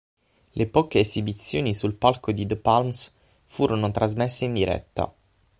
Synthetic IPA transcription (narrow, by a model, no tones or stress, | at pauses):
lʔepɔːkeːzibit̪sːjoːnisulpalkod̪id̪əpalms | fuːɾonot̪ɾazmɛsːeind̪iɾɛ̰t̪ːa̰